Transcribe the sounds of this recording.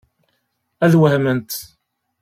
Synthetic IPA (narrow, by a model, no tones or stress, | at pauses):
æðwəhmənt̪